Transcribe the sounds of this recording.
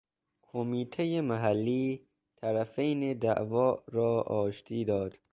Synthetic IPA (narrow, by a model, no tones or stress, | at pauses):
kʰomiːt̪ʰejemæɦælːiː | t̪ʰæɾæfejned̪æ̰ʔvɒːɾɒːɒːʃt̪ʰiːd̪ɒːd̪̥